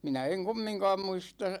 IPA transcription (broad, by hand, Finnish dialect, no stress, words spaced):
minæ eŋ kumːiŋkɑːm muistɑ